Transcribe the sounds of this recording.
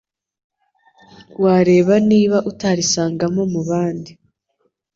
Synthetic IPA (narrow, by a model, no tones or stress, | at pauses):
waːɾe̞ːβaniːβaʔutaɾisaːŋɡamo̞muβaːndi